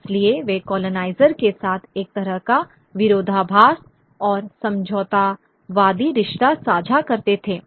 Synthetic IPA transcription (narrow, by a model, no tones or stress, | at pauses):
ɪslieʋekɔːlonaːɪzəɾkesaːt̪ʰeːk̚t̪ɐɾəɦka | ʋɪɾoːd̪ʱabʱaːs | ɔːɾsɐ̃md͡ʒʱɔːt̪a | ʋaːd̪iɾɪʃʈ̪asaːd͡ʒʱakɐɾt̪et̪ʰeː